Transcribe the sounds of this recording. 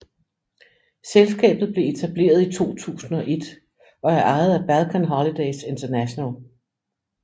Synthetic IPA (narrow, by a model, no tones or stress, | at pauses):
selsɡ̥ɛ̰ːb̥ð̩ˠble̝e̝t͡sʰæb̥le̝̰ːɐð̞ˠit͡sʰo̝̰ːt͡sʰṵːsn̩ɒ̽ʔe̝d̥ | ɒ̽æɐʔɑ̈ɪð̩ˠæb̥ælkʰænɦɒlid̥eɪse̝nt͡sʰɐnæɕonæl